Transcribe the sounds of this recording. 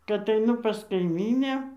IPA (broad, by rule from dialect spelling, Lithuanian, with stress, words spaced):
kɐt ɐɪˈnʊ pɐs kɐɪˈmʲiːnʲæː